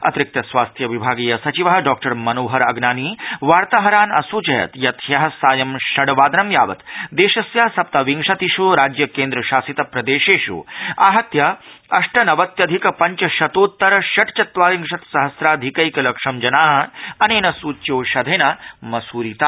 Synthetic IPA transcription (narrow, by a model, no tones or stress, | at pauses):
ɐ̰t̪ɾɪk̚t̪ɐsʋaːst̪ʰjɐʋibʱaːɡiːjɐsɐt͡ʃiʋɐɦɐɖɔːk̚ʈɐɾmɐnoːɦɐɾɐɡnaːniːʋaːɾt̪aɦɐɾaːnɐsuːt͡ʃɐjɐ̰t̪jɐt̪ʰjɐɦɐ̆saːjɐmʃɐɽʋaːd̪nɐmjaːʋɐ̰t̪d̪eːʃɐsjɐɦɐsɐp̚t̪ɐʋiŋʂɐt̪iʃuɾaːd͡ʒjɐkẽːnd̪ɾɐʃaːsit̪ɐpɾɐd̪eːʃeːʃṵaːɦɐt̪jɐɐʂʈɐnɐʋɐt̪jɐd̪ʱikɐpɐɲt͡ʃɐʃɐt̪oːt̪ːɐɾɐʃɐʈt͡ʃɐt̪ʋaːɾiŋʂɐt̪sɐɦɐsɾaːd̪ʱikɐjkɐlɐkʂɐmd͡ʒɐnaːɦɐ̆ɐneːnɐsuːjoːʃɐd̪ʱeːnɐmɐsuːɾiːt̪aː